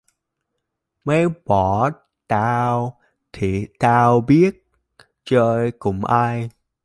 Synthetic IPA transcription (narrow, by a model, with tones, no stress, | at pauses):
mə˨˦jɓɔ˨˧˩ | t̪aː˧w | t̪ʰi˨˩t̪aː˧wɓi˦˥ət̚ | t͡ɕəː˧jkʊ̰˧˥ŋ͡mʔaː˧j